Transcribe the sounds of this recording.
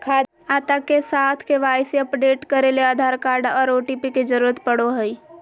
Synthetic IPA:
kʰaː | aːt̪akːesaːt̪ʰkeʋaːjseəpɖeːʈkəɾeleaːd̪ʱaːɾkaːɾɖɔːɾoːʈipiked͡ʒəɾuːɾət̪pəɽoɦəi

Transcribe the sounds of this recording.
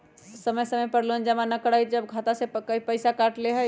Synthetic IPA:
səməjsəməjpəɾlund͡ʒəmanəkəɽajd͡ʒəbɡʱat̪asekəipəjsakaʈleɦə

